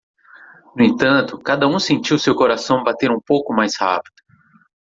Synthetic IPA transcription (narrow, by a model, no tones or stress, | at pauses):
nʊẽnt̪ɐ̃nt̪ʊkad̪ɐũsẽnt͡ʃiwsewkoɾasɐ̃w̃bat̪eɾũpowkʊmajsha̰pid̪̥ʊ